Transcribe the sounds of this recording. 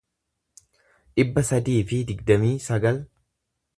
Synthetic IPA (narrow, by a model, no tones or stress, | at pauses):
ᶑɪbːɐsɐd̪iːfɪd̪ɪɡd̪ɐmiːsɐɡɐl